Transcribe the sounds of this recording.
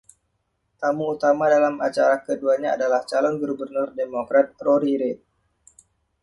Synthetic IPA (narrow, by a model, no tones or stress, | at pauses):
t̪amuːt̪amadalamat͡ʃaɾakəduaɲaa̰dalaht͡ʃalɔnɡuɾubərnʊrdemokɾat̪̚ːɾoɾiɾet̪̚